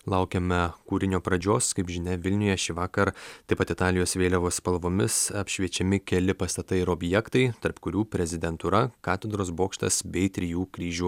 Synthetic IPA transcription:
lˠɐʊkʲɛmʲɛkuːɾʲɪnʲoːpɾɐd͡ʒʲoːskɐɪpʒʲɪnʲɛʋʲɪlʲnʲʊjɛʃʲɪʋɑːkɐɾt̪ɐɪpɐt̪ɪt̪ɑːlʲɪjoːsʋʲeːlʲɛʋoːspɐlˠʋoːmʲɪsɐpʲʃʲʋʲiɛt͡ʃʲɛmʲɪkʲɛlʲɪpɐst̪ɐt̪ɐɪɪɾoːbʲjɛkt̪ɐɪt̪ɐɾpkʊɾʲuːpʲɾʲɛzʲɪd̪ʲɛnt̪uɾɐkɑːt̪ʲɛd̪ɾoːsboːkʃt̪ɐ̰sbʲɛɪt̪ʲɾʲɪjuːkɾʲiːʒʲuː

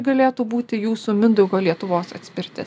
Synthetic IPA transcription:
ɡɐlʲeːt̪uːbuːt̪ʲɪjuːsumʲɪnd̪ɔʊɡoːlʲiɛt̪ʊʋoːsɐ̰t̪ʲsʲpʲɛɾʲt̪ʲɪ

